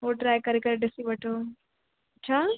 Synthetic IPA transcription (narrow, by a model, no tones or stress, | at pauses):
ɦoʈɾaːjkɐɾekɐɾeɖɪsiʋɐʈʰoː | ɐtːt͡ʃʰaː